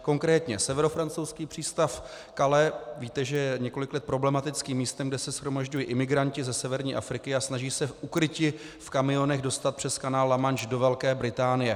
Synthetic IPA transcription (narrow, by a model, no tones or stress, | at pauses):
ko̞ŋkɾɛːt̪ɲɛsɛvɛɾo̞fɾant͡sowskiːpr̥iːst̪af | kalɛviːt̪ɛʒɛjɛɲɛko̞lɪklɛt̪̚pɾo̞blɛmat̪ɪt͡skiːmːiːst̪ɛmɡdɛsɛsxɾo̞maʒɟujiʔɪmɪɡɾaɲcɪzɛsɛvɛɾɲiːʔa̰fɾɪkɪasnaʒiːsɛʔukɾɪcɪ | fkamɪjo̞nɛɣdo̞st̪at̪̚pr̥ɛskanaːlːamant͡ʃdo̞vɛlkɛːbɾɪt̪aːnɪjɛ